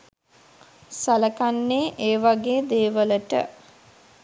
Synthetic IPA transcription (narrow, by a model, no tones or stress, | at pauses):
saləkanːeːʔeːʋaɡeːd̪eːʋələʈə̰